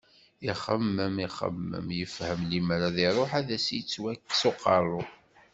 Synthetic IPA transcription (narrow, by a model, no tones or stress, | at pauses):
iχəmːəmiχə̰mːə̰mjəfhəmlimɾaðiɾˤoħæðæsjt͡sːwækːsoqʰːɑɾˤʊ